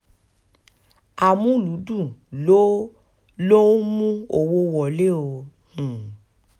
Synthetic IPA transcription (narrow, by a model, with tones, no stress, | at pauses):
a˨mũ˦˨lu˨˦dũ˦˨lo˦ | lo˦mũ˦o˧wo˦wɔ˨le˦õ˧˨